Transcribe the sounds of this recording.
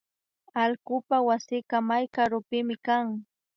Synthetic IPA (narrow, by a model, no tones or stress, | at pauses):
alkʊpawasɪkamajkaɾʊpɪmɪkaŋ